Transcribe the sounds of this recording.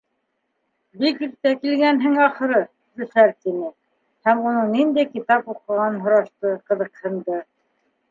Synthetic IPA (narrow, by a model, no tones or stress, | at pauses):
bikiɾt̪ækilɡænɦɘŋɑχɤ̆ɾɤ | d̪ɵ̆ʃæɾt̪inɘ | hæmunɤɴnind̪æjkit̪ɑpuqɤ̆ʁɑnɦŏɾɑʃt̪ɤqɤ̆ðɤ̆qhɤ̆nd̪ɤ